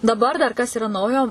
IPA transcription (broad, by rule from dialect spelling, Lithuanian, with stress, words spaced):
dɐˈbɐr dɐr ˈkɐs iːˈrɐ ˈnɐʊjoː